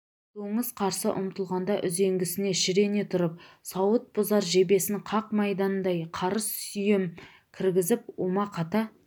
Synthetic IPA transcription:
t̪oɴəzqʰɑɾsə̰ʔʊ̰mt̪əlˠʁɑnd̪ɑʔʏze̞ŋɡʲɪsɪne̞ʃɪɾe̞ne̞t̪ʰʊɾəp̚sɑwət̪̚bʊzɑɾʒe̞be̞sɪɴqʰɑq̚mɑjd̪ɑnd̪ɑjqʰɑɾəssʏjɪm | kʲʰɪɾɡʲɪzɪp̚omɑqʰɑt̪ɑ

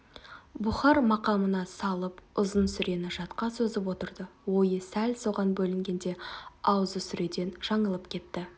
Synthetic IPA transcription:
bʊχɑɾmɑqɑmənɑsɑlˠəpʊzənsʏɾe̞nɪʒɑt̪qɑsɵzɪp̬wo̞t̪əɾd̪əwo̞jəsælʲso̞ʁɑnbɵlɪŋɡʲe̞nd̪e̞ɑwzəsʏɾe̞d̪e̞nʒ̥ɑɴəlˠəpkʲʰe̞t̪ːɪ

